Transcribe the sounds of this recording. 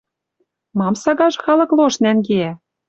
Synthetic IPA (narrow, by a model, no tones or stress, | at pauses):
mɑmsɑɣɑʒɤ̆xɑlɤ̆kloʃnænɡeæ